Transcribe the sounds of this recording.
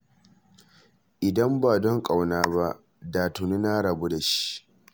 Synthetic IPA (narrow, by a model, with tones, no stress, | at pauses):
ʔɪ˨dɐ˦mbaː˨dɔ˦ŋkʼa˨wnaː˦ba˦ʔ | daː˨tʊ˨nu˦na˦ɽɐ˨bu˦da˨ʃi̥˦ʔ